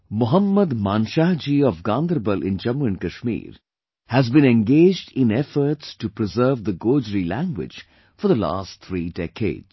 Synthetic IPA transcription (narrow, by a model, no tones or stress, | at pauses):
mʊɦəmːəd̪mãːnʃaɦd͡ʒiɔʋɡãːnd̪əɾbəlʔɪ̰̃nd͡ʒʌmuɨ̃nkɐʃmḭːɾ | hæzbĩnɛ̃nɡeːd͡ʒɖɪ̃nɛfəɾtsʈupɾɪzəːɾʋd̪əɡoːd͡ʒɾilæ̃ŋɡwɪ̰d͡ʒ | fɔɾd̪əla̰ːstt̪ʰɾiːɖɛkʰḛːdz